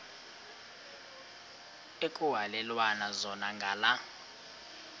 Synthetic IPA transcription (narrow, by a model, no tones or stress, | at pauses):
ekʼuɦalɛlwanazɔnaŋɡʱala